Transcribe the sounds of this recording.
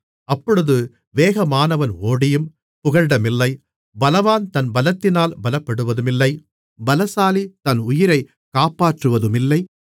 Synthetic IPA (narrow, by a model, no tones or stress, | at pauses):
ɐpːɔɽɯðɯ | ʋeːɣɐmaːnɐʋɐnoːɽɪjɯm | pʊɣɐɻɖɐmɪlːɐɪ | bɐlɐʋaːnt̪ɐnbɐlɐt̪ːɪnaːlbɐlɐpːɐɽɯʋɐðɯmɪlːɐɪ | bɐlɐsaːlit̪ɐnʊjɪɾɐɪ | kaːpaːʈrɯʋɐðɯmɪlːɐɪ